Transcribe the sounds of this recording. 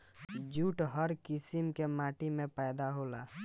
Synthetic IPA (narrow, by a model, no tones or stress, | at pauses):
d͡ʒuʈɦəɾkisimkemaʈimẽpəjd̪aɦola̰